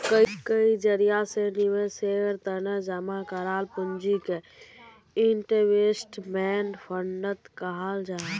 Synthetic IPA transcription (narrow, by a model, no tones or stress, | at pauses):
kəikəid͡ʒəɾijaseniʋeseəɾt̪ənɛd͡ʒamakəɾalpənd͡ʒike | iɳʈeʋesʈmɛnpʰəɳɖət̪kəɦald͡ʒa